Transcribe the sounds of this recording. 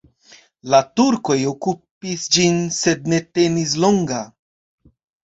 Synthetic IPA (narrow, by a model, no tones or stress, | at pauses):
latuɾko̞jo̞kupisd͡ʒinse̞d̪̚ne̞te̞nis̬lo̞ŋɡa